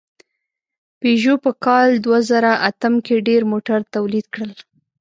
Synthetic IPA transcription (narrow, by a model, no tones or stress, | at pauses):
peʒopəkɑld̪wazaɾaʔat̪əmkeɖeɾmoʈaɾt̪awlid̪kɽəl